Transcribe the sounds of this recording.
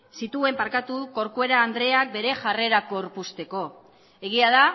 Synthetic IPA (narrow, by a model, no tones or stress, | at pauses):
sit̪ue̞mpaɾkat̪uko̞ɾkue̞ɾaːnd̪ɾe̞ak̚be̞ɾe̞ʝare̞ɾako̞ɾpust̪e̞ko̞ | e̞ɣ̞iaða